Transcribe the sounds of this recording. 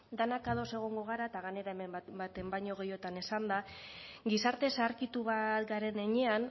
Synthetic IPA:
d̪anakaðo̞se̞ɣ̞o̞ŋɡo̞ɣ̞aɾaet̪aɣane̞ɾaemebat̪e̞mbaɲo̞ɣ̞e̞jo̞t̪ane̞sand̪a | ɡisaɾt̪e̞saɾkit̪uβat̪ɡaɾe̞neɲe̞an

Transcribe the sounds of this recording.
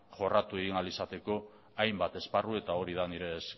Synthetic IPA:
ʝo̞rat̪ue̞ɣinalisat̪e̞ko̞ | ajmbat̪e̞sparue̞t̪ao̞ɾið̞aniɾe̞s

